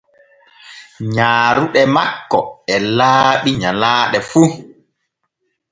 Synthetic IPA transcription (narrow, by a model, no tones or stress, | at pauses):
ɲaːɾuɗɛmakːɔɛlaːɓiɲalaːɗɛfu